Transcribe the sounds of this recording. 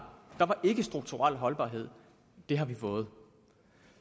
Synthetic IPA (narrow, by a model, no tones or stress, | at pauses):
d̥ɑ̈ʋɑ̈ʔe̝ɡ̥əsd̥ʁuɡ̥̚t͡sʰuʁal̰ɦɒ̽lb̥ɑ̰̈ːɦe̝ð̞̰ˠ | d̥e̝ɦɑ̈ʋifɔ̽ːð̩ˠ